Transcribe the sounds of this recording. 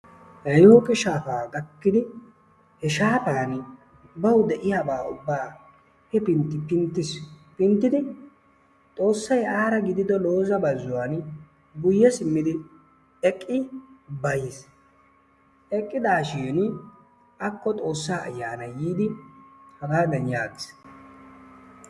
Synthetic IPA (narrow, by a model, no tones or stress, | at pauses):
hɐjoːkʼɪʃaːfaːɡɐkːɪd̪ɪ | hɛʃaːtaːn | bɐwʊd̪ɛʔɪjaːbaːʊ̰bːaː | hɛpɪnt̪ːɪpɪnt̪ːɪspɪnt̪ːɪd̪ɪ | t̪ʼo̞ːsːɐjaːɾɐɡɪd̪ɪd̪ɔlo̞ːzɐbɐzːʊwan | ɡʊjːɛsɪmːɪd̪ɪ | ɛkʼːɪbɐjɪs | ʔɛkʼːɪd̪aːʃiːn | ɐkːɔt̪ʼo̞ːsːaːʔɐ̰jːaːnɐjiːd̪ɪhɐɡaːd̪ɐnjaːɡɪs